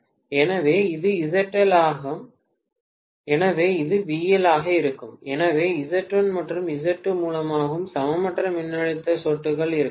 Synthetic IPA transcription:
ɛnɐʋeːɪðɯɪðɐʈːɐlaːɣɐ | ɛnɐʋeːɪðɯʋiːjɐlaːɣɐɪɾɯkːɯmɛnɐʋeːɪðɐʈrɐnmɐʈrɯmɪðɐʈːɯmuːlɐmaːɣɯmsɐmɐmɐʈrɐmɪnːɐɻɯt̪ːɐsoːʈːɯɣɐɭɪɾɯ

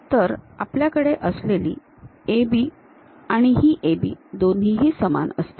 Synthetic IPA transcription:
t̪əɾapljakəɽeʔəsleliː | ebiː | aɽ̃iɦiːʔebḭːd̪onɦiɦiːsəma̰nə̰st̪i̥

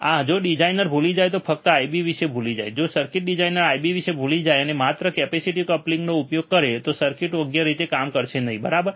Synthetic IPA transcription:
ad͡ʒoɖid͡ʒainəɾbʱulid͡ʒajt̪ofək̚t̪əaibiʋiʃebʱulid͡ʒa̰jd͡ʒosəɾkɪʈ̚ɖid͡ʒainəɾajbiʋiʃebʱulid͡ʒajənemat̪ɾəkɛpesiʈikəplĩŋɡnoupjoɡ̚kəɾet̪osəɾkɪʈoɡjaɾit̪ekamkəɾʃenəɦĩbəɾabəɾ

